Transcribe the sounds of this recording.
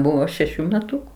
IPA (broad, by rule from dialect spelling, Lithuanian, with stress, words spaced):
ˈbʊʋoː ʃʲɛˈʃʲuː mʲɛˈtʊkʊ